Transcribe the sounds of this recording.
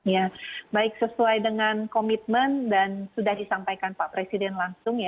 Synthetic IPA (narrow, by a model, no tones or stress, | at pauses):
jabaɪk̚səsuajdəŋankomit̪̚məndansudahdisampajkanpaʔpɾesidɛnlaŋsʊŋja